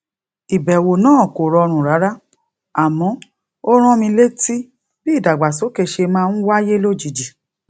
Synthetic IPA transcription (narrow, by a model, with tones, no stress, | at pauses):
i˨bɛ˨wo˨nãː˦˨ko˨ɾɔ˧ɾ̃ũ˨ɾa˨˦ɾa˦ | a˨mɔ̃˨˦ | o˦ɾ̃ɔ̃˦mĩ˧le˦ti˦ | bi˦˨da˨ɡ͡ba˨so˨˦ke˧ʃe˧mãː˦˧n̩˦wa˦je˦lo˦d͡ʒi˨d͡ʒi˨